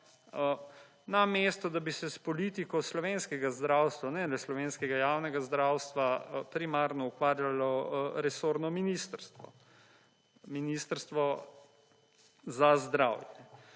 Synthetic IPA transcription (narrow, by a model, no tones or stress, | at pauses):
ə | namest̪ɔd̪abisɛspɔlit̪ikɔslɔʋeːnskɛɡazd̪ɾawst̪ʋanɛlɛslɔʋeːnskɛɡajaːwnɛɡazd̪ɾaːwst̪ʋapɾimaɾnɔukʋaːɾjalɔɾɛsoːɾnɔminist̪əɾst̪ʋɔ̰ | minist̪əɾst̪ʋɔ | zazd̪ɾawjɛ